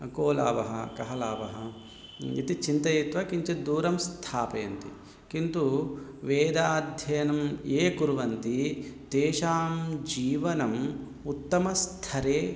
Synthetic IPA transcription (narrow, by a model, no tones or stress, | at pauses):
koːla̰ːʋɐɦɐ̰kɐɦɐlaːʋɐɦɐ | ḭt̪it͡ʃint̪ɐjit̪ʋɐkiɲt͡ʃid̪uːɾɐmst̪ʰaːpeːɐnt̪ḭ | kint̪uʋeːd̪aːd̪ʱjɐjɐnɐmeːkuɾuʋɐnt̪it̪eːʃaːmd͡ʒiːʋɐnɐm | ut̪ːɐmɐst̪ʰɐɾeː